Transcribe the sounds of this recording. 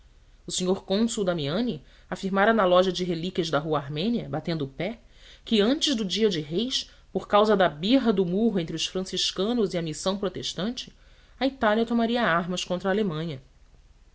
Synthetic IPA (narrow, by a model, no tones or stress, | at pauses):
ʊsiɲoɾkõsuwd̪ɐmiɐ̃nɪ | afiɾmaɾanalɔʒɐd͡ʒɪɦelikʲɐʒd̪ɐɦuɐaɾmẽniɐbat̪ẽnd̪ʊpɛ | kɪɐ̃nt͡ʃɪʒd̪ʊd͡ʒiɐd͡ʒɪɦejʃ | poɾkawzɐd̪ɐbiɦɐd̪ʊmuɦʊẽt̪ɾɪʊsfɾɐ̃siʃkɐ̃nʊziɐmisɐ̃w̃pɾot̪eʃt̪ɐ̃nt͡ʃɪ̥ | ɐit̪aliɐt̪omaɾiɐaɦmɐskõt̪ɾɐaːlemɐ̃ɲɐ